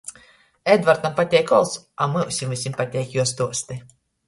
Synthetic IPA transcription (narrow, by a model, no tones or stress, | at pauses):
ɛd̪vaɾt̪ampat̪ʲɛjkɔlˠs | amɨusʲimɨsʲimpat̪ʲɛjkʲjuɔs̬t̪uɔst̪ɨ